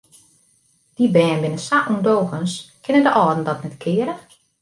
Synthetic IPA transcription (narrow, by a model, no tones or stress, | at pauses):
d̥ibɛːnbɪnəsaʔundoːxənskʰɪnəndəʔɔːdn̩dɔtnɛtkʰɪːəɾə